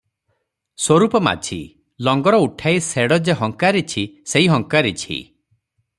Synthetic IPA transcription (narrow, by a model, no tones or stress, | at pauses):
swoɾupɔma̰t͡ʃʰḭ | lɔŋɡɔɾɔuʈʰajseɽɔd͡ʒeɦɔŋkaɾet͡ʃʰiseɦiɦɔŋkaɾet͡ʃʰḭ